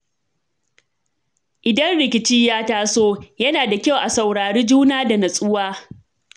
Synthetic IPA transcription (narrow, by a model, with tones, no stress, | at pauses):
ʔɪ˨dɐ˦nɽɪ˨kʲɪ˨t͡ʃiː˦jaː˦taː˦soː˦jɐ˦naː˨da˨kʲa˦wʔa˨sa˨wɽaː˨ɽiː˦d͡ʒuː˦naː˦da˨nɐ˨sʼʊ˦waː˦